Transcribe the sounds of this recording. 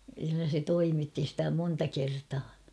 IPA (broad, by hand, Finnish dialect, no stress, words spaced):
kylːæ se toimitːi stæ montɑ kertɑː